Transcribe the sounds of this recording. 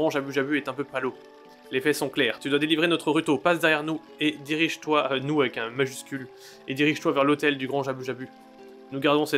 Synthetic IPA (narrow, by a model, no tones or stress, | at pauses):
ʁɑ̃ʒabyʒabyɛt̪ɛ̃pøpalo | lefɛsɔ̃klɛːʁt̪yd̪wad̪elivʁenɔt̪χəʁyt̪opasd̪ɛʁjɛʁnu | ed̪iʁiʒt̪wanuavɛkɛ̃maʒyskʲyl | ed̪iʁiʒt̪wavɛʁlot̪ɛld̪yɡʁɑ̃ʒabyʒaby | nuɡaʁd̪ɔ̃sɛ